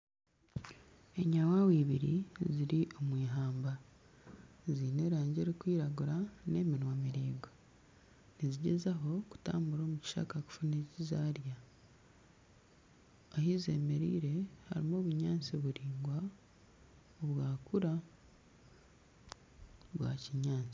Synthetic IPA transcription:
e̞ɲawawiːβiɾḭziɾiʔo̞mwiːɦaːmba | ziːne̞ːɾaːɲɟeɾikwiːɾaɡuɾane̞ːminwamiɾiːɡa | niziɟezaɦo̞ku̥ta̰ːmbuɾo̞ːmuci̥ʃa̰kaku̥funeːcizaːɾja | hize̞̰ːme̞ɾḭːɾe̞ha̰ɾimo̞ːβuɲaːnt͡siβuɾiːŋɡwa | oβwaːkuɾa | βwa̰ciɲaːnt͡si̥

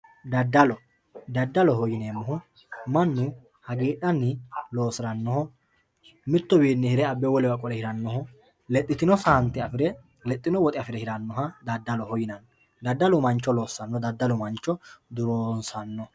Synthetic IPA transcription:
d̪ɐd̪ːɐlɔ | d̪ɐd̪ːɐlɔɦɔjɪneːmːɔɦʊ | mɐnːʊ | hɐɡeːᶑɐnːɪlo̞ːsɪɾɐnːɔhɔ | mɪt̪ːɔbiːnːɪhɪɾɛɐbːɛwɔlɛwɐkʼɔlɛhɪɾɐnːɔhɔ | lɛt̪ʼːɪt̪ɪnɔsɐhɐnt̪ːɪɐfɪɾɛ | lɛt̪ʼːɪnɔwɔt̪ʼɪɐfɪɾɛhɪɾɐnːɔhɐd̪ɐd̪ːɐlɔhɔjɪnɐnːɔ | d̪ɐd̪ːɐlʊmɐnt͡ʃːɔlo̞ːsːɐnːɔd̪ɐd̪ːɐlʊmɐnt͡ʃːɔd̪ʊɾoːnsɐnːɔ

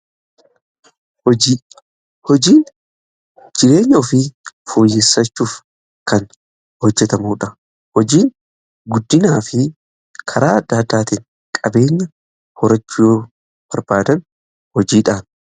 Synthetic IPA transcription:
ɔ | hɔd͡ʒiːn | d͡ʒɪɾe̞ːɲːɐɔfɪfuːjːeːsːɐt͡ʃːuːf | kɐn | hɔd͡ʒːɛt̪ɐmuːᶑɐ | hɔd͡ʒiːn | ɡʊd̪ːɪnaːfɪ | kʰɐɾaːɐd̪ːaːd̪ːaːt̪ɪn | kʼɐbe̞ːɲːɐ | hɔɾɐt͡ʃːʊjoː | b̥ɐɾbaːd̪ɐn | hɔd͡ʒiːᶑaːn

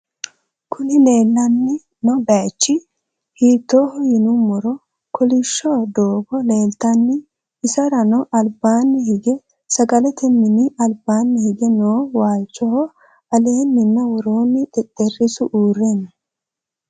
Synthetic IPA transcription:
kʰʊnɪleːlːɐnːɪ | nɔbɐt͡ʃːɪ | hiːt̪ːoːhɔjɪnʊmːɔɾɔ | kʰɔlɪʃːɔd̪oːɡɔle̞ːlt̪ɐnːɪ | ɪsɐɾɐnɔʔɐlbaːnːɪhɪɡɛ | sɐɡɐlɛt̪ɛmːɪnɪɐlbaːnːɪhɪɡɛnoːwaːlt͡ʃʼːɔhɔ | ɐle̞ːnːɪnːɐwɔɾoːnɪt̪ʼɛt̪ʼːɛrːɪsʊʔuːrenːɐ

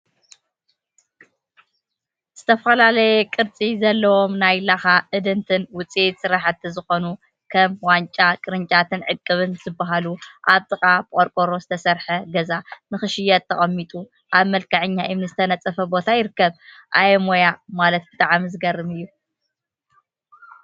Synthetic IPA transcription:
z̥ɨt̪ʰɐfɐlalɐjɛkʼɨɾt͡sʼizɐlːɐwo̞mnajlaxaʔɨd̪ɨnt̪ʰɨnwʊt͡sʼit̪sɨɾaħɨt̪ʰːizɨxo̞nu | kʰɐmwant͡ʃʼakʼɨɾɨnt͡ʃʼat̪ʰɨnʕɨkʼːɨβɨnzɨbːaɦaluʔaβt̪ʼɨkʼabɨkʼoɾkʼoɾo̞zɨt̪ʰɐsɐɾħɐɡɐzanɨxɨʃɪjɐt̪ʰːɐχʼɐmːit̪ʼu | ʔaβmɐlkʰɐʕɨɲːaʔimnɨzɨt̪ʰɐnɐt͡sʼɐfɐbo̞t̪ʰajɪɾɨkːɐβ | ʔajɛmo̞jamalɐt̪̚bɨt̪ʼaʕamizɨɡɐrːɨmɨjːu

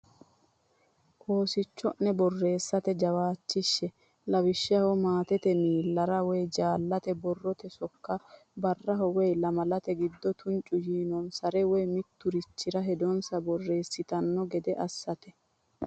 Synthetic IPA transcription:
ʔo̞ːsɪt͡ʃːɔnːɛbɔrːe̞ːsːɐt̪ɛd͡ʒɐwaːt͡ʃːɪʃːɛ | lɐwɪʃːɪɐhɔmaːt̪ɛt̪ɛmiːlːɐɾɐwɛjd͡ʒaːlːɐt̪ɛbɔrːɔt̪ɛsɔkːɐbɐrːɐɦɔwɛjlɐmɐlɐt̪ɛɡɪd̪ːɔt̪ʰʊnt͡ʃʼʊjiːnɔnsɐɾɛwɛjmɪt̪ːʊɾɪt͡ʃːɪɾɐɦɛd̪ɔnsɐbɔrːe̞ːsːɪt̪ɐnːɔɡɛd̪ɛʔɐsːɐt̪ɛ

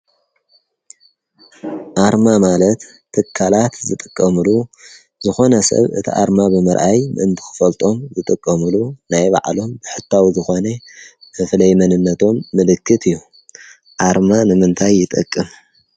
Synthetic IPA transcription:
ʔaɾmamalɐt̪ʰː | ɨkʰːalat̪zɨt̪ʼɨkʼːɐmɨlu | zɨxo̞nɐsɐ̰βɨ̰t̪ʰḭʔa̰ɾmabɨmɨɾʔajmɨɨnt̪ʰɨ̥xɨ̥fɐlt̪ʼo̞mzɨt̪ʼɨkʼːɐmɨlunajba̰ʕlo̞mbɨħɨt̪ʰːawzɨxo̞nɐmɨflɐjmɐnɨnːɐt̪ʰo̞mːɨlɨkʰːɨt̪ʰɨjːu | ʔaɾmanɨmɨnt̪ʰajːɪt̪ʼɐkʼːɨm

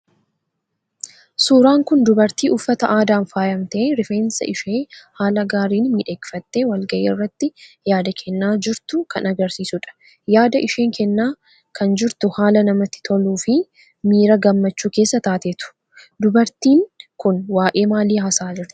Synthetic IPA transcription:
suːɾaːŋkʊnd̪ʊbɐɾt̪iːʔʊfːɐt̪ɐʔaːd̪aːnfaːjɐmt̪ɐeɾɪfeːnsɐ̰ʔɪʃeːhaːlɐɡaːɾiːnmiːᶑeːkɪ̥fɐt̪ːeːwɐlɡɐʔeːɪrːɐt̪ːɪjaːd̪ɐkʰɛnːaːd͡ʒɪɾt̪ʊkɐnɐɡɐɾsiːsʊᶑɐ̥ | jaːd̪ɐʔɪʃeːŋkɛnːaː | kʰɐnd͡ʒɪɾt̪ʊhaːlɐnɐmɐt̪ːɪ̥t̪ʰɔluːfɪ | miːɾɐɡɐmːɐt͡ʃːuːke̞ːsːɐt̪aːt̪eːt̪ʊ̥ | d̪ʊbɐɾt̪iːŋkʊnwaːʔʼe̞ːmaːliːhɐsaːd͡ʒɪɾt̪ʊ̥

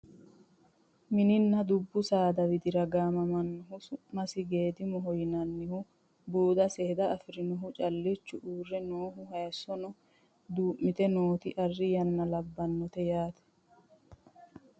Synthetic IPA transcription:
mɪnɪnːɐd̪ʊbːʊsaːd̪ɐwɪd̪ɪɾɐɡaːmɐmɐnːɔɦʊsʊmɐsɪɡe̞ːd̪ɪmɔɦɔjnɐnːɪhʊ | buːd̪ɐsɛhɛd̪ɐːfɪɾɪnɔɦʊt͡ʃʼɐlːɪt͡ʃːʊʔuːrːɛnoːɦʊhɐjsːɔnɔ | d̪uːʔmːɪt̪ɛnoːt̪ɪʔɐrːɪjɐnːɐlɐbːɐnːɔt̪ɛjaːt̪ɛ̥

